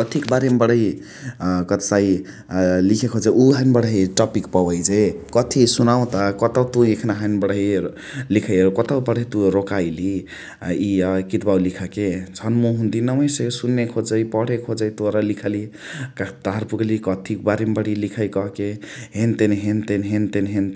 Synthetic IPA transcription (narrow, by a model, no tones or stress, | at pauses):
kʌt̪ʰikbaɾembəɽəɦi | kʌt̪sai | likʰekʰod͡ʒauɦanbəɽəɦiʈɔpikpɔbəjd͡ʒekʌt̪ʰisunaw̃t̪akʌt̪awt̪ũekʰnaɦanbəɽəɦi | likʰəjɾukɔt̪əwpɔɽ̤ɦit̪ũɾokajli | ikit̪bawlikʰaket͡sʰʌnmuɦund̪inʌməjsesunːekʰod͡zəjpɔɽ̤ekʰod͡zəjt̪oɾalikʰali | kat̪aɦɾpuklikʌt̪ʰik̚baɾembəɽ̤ilikʰajkʌɦke | ɦent̪enɦent̪enɦent̪enɦent̪